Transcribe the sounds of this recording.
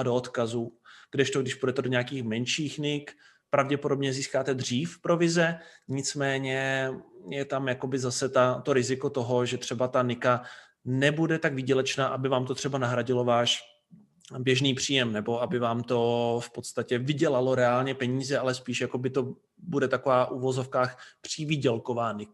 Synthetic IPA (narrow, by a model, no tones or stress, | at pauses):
doot̪kazuɡ̥dɛʃt̪oɡdɪʃpudɛt̪ɛdoɲɛakiːxmɛnʃiːxnɪk | pɾavɟɛpo̞do̞bɲɛziːskaːt̪ɛd̪r̝iːfpɾo̞vɪzɛɲɪt͡smɛːɲɛ | jɛt̪amjako̞bɪzasɛt̪at̪o̞ɾɪzɪkot̪o̞ɦo̞ʒɛt̪r̝̥ɛbat̪anɪka | nɛbudɛt̪aɡvɪɟɛlɛt͡ʃnaːʔabɪvaːmt̪o̞t̪r̥ɛbanaɦɾaɟɪlo̞vaːʃ | bjɛʒniːpr̝̥iːjɛmnɛbo̞abɪvaːmt̪o̞fpot̪st̪acɛvɪɟɛlalo̞ɾɛaːlɲɛpɛɲiːzɛalɛspiːʃjakobɪt̪o̞ | budɛt̪ako̞vaːʔuvo̞zo̞fkaːxpr̝̥ɪvɪɟɛlkovaːnɪ